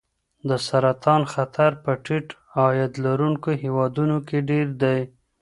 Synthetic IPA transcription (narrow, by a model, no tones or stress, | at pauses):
d̪əsaɾat̪ɑnxat̪ʰaɾpəʈiʈ | ɑjad̪laɾuŋkoɦewɑd̪unokeɖeɾd̪aj